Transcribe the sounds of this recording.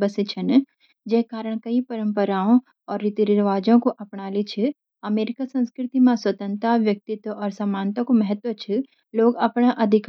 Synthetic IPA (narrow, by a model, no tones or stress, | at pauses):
bəset͡ʃʰene | d͡ʒekaɾəɳ̃kəipəɾəmpəɾaõ | ɔɾːit̪iɾɪɾʋad͡ʒõkũʔəpɳ̃alit͡ʃʰe | əmeɾikasə̃nskɾɪt̪imãsʋət̪ənt̪ɾaʋjək̚t̪it̪oʔɔɾsəmant̪õkũməɦət̪ʋot͡ʃʰe | loːkapɳaʔəd̪ʱik